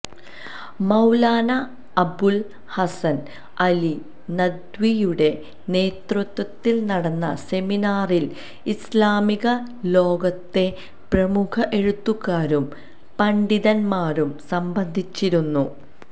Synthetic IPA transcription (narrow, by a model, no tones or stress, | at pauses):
mɐwlaːnɐː | bul | hɐsɐn | ɐli | nɐd̪wijuɽe̞ | ne̞ːt̪rut̪ːwɐt̪ːilnɐɽɐnːɐ̰se̞minaːril | islaːmiɣɐ | lo̞ːɡɐt̪ːe̞ | prɐmukʰɐʔe̞ɻut̪ːuɣaːɾum | pɐɳɖiðɐnmaːɾumsɐmbɐnd̪ʱit͡ɕːiɾunːu